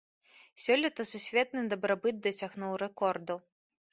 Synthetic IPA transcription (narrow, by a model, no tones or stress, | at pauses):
sʲɔlʲɐt̪ɐsusʲvʲɛt̪̚nɨd̪ɐbɾabɨd̪̚d̪ɐsʲaɣnuwrɛkɔrd̪u